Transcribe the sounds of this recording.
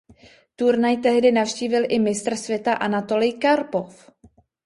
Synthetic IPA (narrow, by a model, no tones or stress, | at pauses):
t̪uɾnajt̪ɛɦdɪnafʃciːvɪlʔɪmɪst̪r̩svjɛt̪aʔanat̪o̞lɪjkaɾpof